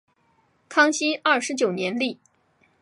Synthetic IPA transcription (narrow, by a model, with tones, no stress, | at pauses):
kʰɑ˥ŋɕi˥ɐ˥˩ʂɻ̩˧˥t͡ɕjo˨˩ʊnjɛ˧˥nli˥˩